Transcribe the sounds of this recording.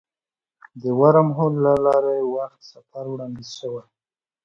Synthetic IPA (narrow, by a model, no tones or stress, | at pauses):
d̪əwaɾamɦolːalɑɾajewaxt̪safaɾwɽɑnd̪izʃəwaj